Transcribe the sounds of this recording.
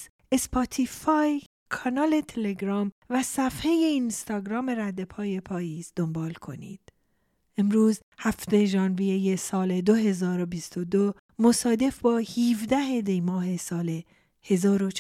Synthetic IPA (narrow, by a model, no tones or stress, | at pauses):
espʰɒt̪ʰifɑj | kʰɒnɒːle̞t̪ʰeleɡɾɒːmvæsæfheje̞inst̪ɒɡɾɒːme̞ɾæd̪ːe̞pʰɒːje̞pʰɒːjiːzd̪o̞mbɒːlkʰo̞̰nḭːd̪̥ | ʔemɾuːz | hæft̪e̞ʒɒːnvijeje̞sɒːle̞d̪o̞ɦe̞zɒːɾo̞bist̪o̞d̪o | mosɒːd̪e̞fbɒːhiːvd̪æhe̞d̪ejmɒːɦe̞sɒːle̞ | he̞zɒːɾo